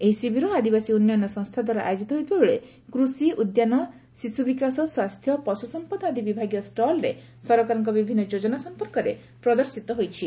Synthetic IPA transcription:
eɦisibʱiɾɔad̪ibasiunjɔnɔsɔ̃ŋst̪ʰad̪waɾɔʔa̰jod͡ʒit̪ɔɦojt̪ibabuɭe | kɾusiʔud̪janɔ | sisubikasɔswast̪ʰjɔpɔsusɔmpɔd̪ad̪ʱibibʱaɡjɔsʈɔlɾḛ | sɔɾɔkaɾɔŋk̬ɔbibʱinːɔd͡ʒod͡ʒɔnasɔmpɔɾkɔɾe | pɾɔd̪ɔɾsit̪ɔɦojt͡ʃʰi

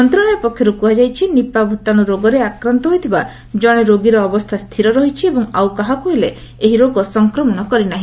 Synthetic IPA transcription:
ɔnt̪ɾɔɽ̃ɔjɔpɔkʰːjɔɾukuad͡ʒajt͡ʃʰinipabʱut̪anuɾoɡɔɾeakɾant̪ɔɦojt̪ʰiba | d͡ʒɔɽ̃eɾoɡiɾɔːbɔst̪ʰast̪ʰiɾɔɾɔɦit͡ʃʰiebɔŋawkaɦakuɦele | eɦiɾoɡɔsɔŋkɾɔmɔnɔkɔɾinaɦĩ

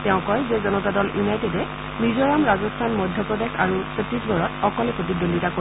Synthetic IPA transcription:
tɛʊ̃kɔjzezɔnɔtadɔljunajtedɛ | mizɔɹamɹazɔstʰanmɔdʱjɔpɹɔdexa̰ɹusetisbɔɹɔtɔkɔlɛpɹotidonditako

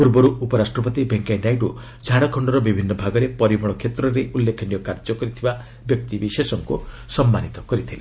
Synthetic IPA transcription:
puɾbɔɾuʔupɔɾasʈɾɔp̬ɔt̪ibeŋkajɖajʈu | d͡ʒʱaɽɔkʰɔɳɖɔɾɔbibʱinːɔbʱaɡɔɾepɔɾibɔɽɭ̃ɔkʰet̪ɾɔɾeʔulːekʰɔnijɔkaɾd͡ʒɔkɔɾit̪ʰiba | bjɔk̚t̪ibisesɔŋku | sɔmːanit̪ɔkɔɾit̪ʰile

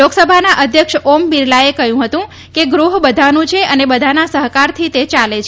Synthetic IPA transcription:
oksəbʱanaʔəd̪ʱjəkʂombiɾlaekəɦjũɦət̪ũ | keɡɾuɦbəd̪ʱanũt͡ʃʰeʔənebəd̪ʱanasəɦkaɾt̪ʰit̪et͡ʃalet͡ʃʰ

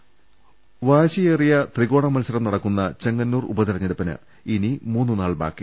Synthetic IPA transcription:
ʋaːɕijeːrijɐt̪riɣo̞ːɳɐmɐnsɐɾɐmnɐɽɐkːunːɐt͡ɕeŋɡɐnːuːrṵbɐðiɾɐɲːɐɽupːɐnɨ̰ | inimuːnːɨnaːɭba̰ːkːi

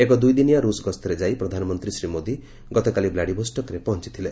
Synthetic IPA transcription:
ekɔd̪ujd̪inijaɾusɡɔst̪ʰɔɾed͡ʒajpɾɔd̪ʱanɔmɔnt̪ɾisɾimod̪i | ɡɔt̪ɔkaliblaɽibʱɔsʈɔkɾepɔɦɔnt͡ʃi̥t̪ʰile

